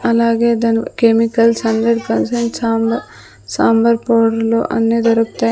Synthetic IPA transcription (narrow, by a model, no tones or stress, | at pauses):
ɐlaːɡeːd̪ɐnkemikɐlsɐnd̪ɐɖkɐnseɳʈsːm | saːmbɐɾpoːɽloːʔɐnːeːd̪ɐɾukt̪aː